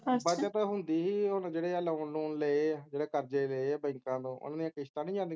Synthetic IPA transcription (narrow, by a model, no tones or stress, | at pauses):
bət͡ʃət̪ɦʊnd̪iːɦiːʊnd͡ʒeːɽeːələːnluːnləed͡ʒeːɽeːkəɾd͡ʒeːləebəɪŋkãːt̪õːʔʊ̰naːd̪ijãːkɪʃt̪ãːnĩːd͡ʒãːnd̪i